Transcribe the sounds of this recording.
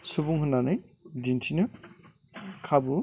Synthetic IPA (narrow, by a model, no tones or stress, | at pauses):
subuŋɦɯnanɯjdintʰinɯ | kʰabu